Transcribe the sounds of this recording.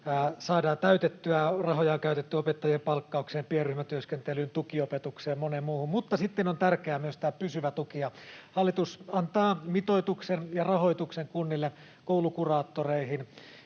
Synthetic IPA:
sɑːdɑːnt̪æyt̪et̪ːyærɑɦojɑkæyt̪et̪ːyopet̪ːɑjempɑlkːɑukseːmpierːyhmæt̪yøskent̪elynt̪ukiopet̪ukseːmmonemmuːhummut̪ːɑsit̪ːenont̪ærkeæːmyøst̪æpysyʋæt̪ukiɑhɑlːit̪usɑnt̪ɑːmit̪oit̪uksenjɑrɑho̞it̪ukseŋkunːilːe | koulukurɑːt̪ːoreihin

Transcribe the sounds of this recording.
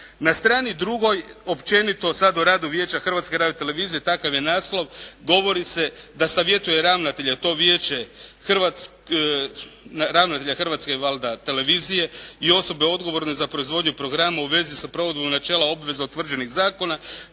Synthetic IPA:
nast̪ɾaːnid̪ɾuɡo̞jo̞pt͡ʃe̞nit̪o̞sad̪uɾaːd̪uʋje̞ːt͡ɕaxr̩ʋat̪skeɾaːd̪et̪e̞le̞ʋiːzije̞t̪akaʋjenaːslˠo̞ʋɡo̞ʋo̞ɾise̞d̪asaʋje̞t̪uje̞ɾaʋnat̪eʎet̪o̞ʋje̞ːt͡ʃe̞xr̩ʋat̪s | naɾaʋnat̪eʎaxr̩ʋat̪skeiʋalˠd̪at̪e̞le̞ʋiːzije̞io̞so̞be̞o̞d̪ɡo̞ʋo̞ɾne̞zapɾo̞izʋo̞d̪ɲupɾo̞ɡɾamauʋe̞zisapɾo̞ʋo̞d̪bomnat͡ʃeːlˠao̞bʋe̞zaut̪ːʋr̩d͡ʒe̞niɣzaːko̞na

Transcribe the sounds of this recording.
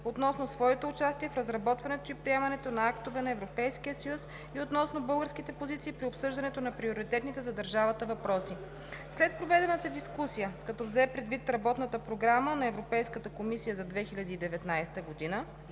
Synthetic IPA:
ot̪nɔsnosvɔɛt̪oːt͡ʃast̪iɛfɾɐzɾɐbɔt̪vɐnɛt̪oipɾiɛmɐnɛt̪onɐakt̪ovɛnɐɛvɾopɛjskiəsəjus | iot̪nɔsnobɤlˠɡəɾsk̟it̪ɛpozit̪siːpɾiopsɤʒd̪ɐnɛt̪onɐpɾioɾit̪ɛt̪nit̪ɛzɐd̪ɐɾʒavət̪əvɐpɾɔsi | slɛt̪̚pɾovɛd̪ɛnət̪əd̪iskusijəkɐt̪ɔvzɛpɾɛd̪vit̪ɾɐbɔt̪nət̪əpɾoɡɾamənɐɛvɾopɛjskət̪əkomisijəzɐd̪vɛxilʲɐd̪iːd̪ɛvɛt̪najst̪əɡod̪inə

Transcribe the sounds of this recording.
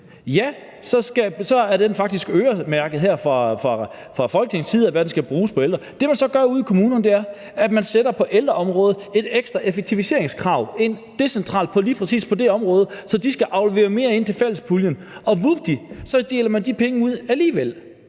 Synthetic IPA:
jæ | sɒ̽sɡ̥æsɒ̽æɐd̥enfɑ̈ɡ̥d̥isɡ̥øːɐmæɐɡ̥əð̞̩ˠɦæɐ̰fʁɑfʁɑ | fʁɑ̈fɒ̽lɡ̥əne̝ŋn̩sʰiːðˠæʋæɐd̥n̩sɡ̥æb̥ʁuːspʰɒ̽eld̥ʁɐd̥e̝mænsɒ̽ɡ̥ɶɐuð̰ˠikʰomuːnɐnd̥e̝æɐ | æ̥mænsed̥ɐpʰɒ̽ʔeld̥ʁɐɒ̽mʁɔ̽ːð̞̩ˠe̝d̥eɡ̥sd̥ʁɐʔefeɡ̥̚t͡sʰiʋise̝̰ɐ̰eŋskʰʁɑ̈ʊ̰e̝n̰d̥e̝sent͡sʰʁɑ̰̈ːld̥̚pʰɒ̽liːpʰʁɛsḭːspʰɒ̽d̥e̝ɒ̽mʁɔ̽ːð̞̩ˠsɒ̽d̥isɡ̥æʔɑ̈ʊleʋe̝̰ːɐme̝̰ːɐe̝n̰t͡sʰe̝lfel̰spʰuljən | ɒ̽ʋub̥̚d̥isɒ̽d̥e̝ːlɐmænd̥ipʰeŋəuð̞̰ˠæliːʋel̰

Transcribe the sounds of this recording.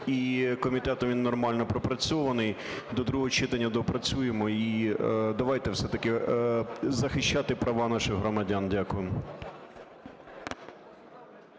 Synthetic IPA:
ikɔmʲit̪ɛt̪ɔʋʲinːɔrmɑlʲnɔpɾɔpɾɐt͡sʲɔʋɐnɪjd̪ɔd̪ɾuɦɔt͡ʃɪt̪ɐnʲːɐd̪ɔpɾɐt͡sʲujemɔid̪ɐʋɑjt̪ɛwsɛt̪ɐkɪ | zɐxɪʃt͡ʃat̪ɪpɾɐʋɑnɑʃɪɣɦɾɔmɐdʲandʲakʊjɪm

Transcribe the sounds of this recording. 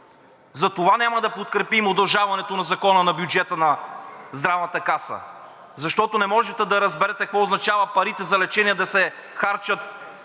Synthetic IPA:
zɐt̪ovanʲamɐd̪ɐpot̪̚kɾɛpimod̪ɐlˠʒavɐnɛt̪onɐzɐkɔnənɐbjud͡ʒɛt̪ənɐzd̪ɾavnɐt̪əkasə̰ | zɐʃt̪ɔt̪onɛmɔʒɛt̪ɛd̪ɐɾɐzbɛɾɛt̪ɛkvɔʊznɐt͡ʃavɐpɐɾit̪ɛzɐlɛt͡ʃɛniɛd̪ɐsɛ | xaɾt͡ʃət̪̚

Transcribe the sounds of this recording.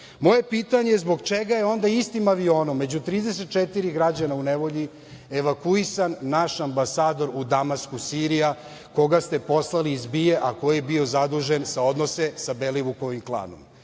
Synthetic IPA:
mo̞je̞piːt̪aɲezbo̞ɡt͡ʃeɡaje̞o̞nd̪aist̪imaʋio̞ːno̞mːe̞d͡ʑut̪ɾiːd̪eset̪̚t͡ʃet̪iɾiɡɾad͡ʑanauneʋo̞ʎi | eʋakuisanːaʃambasaːd̪o̞ɾud̪amaskusiɾija | ko̞ɡast̪e̞po̞slˠaliːzbije̞ʔako̞jebio̞zad̪uʒensao̞d̪no̞se̞sabeleʋukoʋimklˠa̰ːno̞̰m

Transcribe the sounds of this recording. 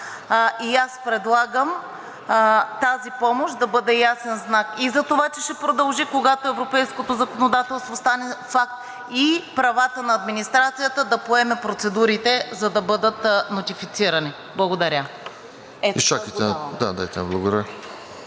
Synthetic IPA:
ʔiaspɾɛd̪lˠaɡəm | t̪azipɔmoʃd̪ɐbɤd̪ɛjasɛnznakizɐt̪ovat͡ʃɛʃɛpɾod̪ɐlˠʒikoɡat̪oɛvɾopɛjskot̪ozɐkonod̪at̪ɛlˠst̪vost̪anɛfak̚t̪ | ipɾɐvat̪ənɐːd̪minist̪ɾat̪sijət̪əd̪ɐpoɛmɛpɾot̪sɛd̪uɾit̪ɛzɐd̪ɐbɤd̪ət̪not̪ifit̪siɾɐni | blˠɐɡod̪ɐɾʲə | ɛiʃakit̪ɛd̪a̰d̪a̰jt̪ɛnblˠɐɡod̪ɐɾ

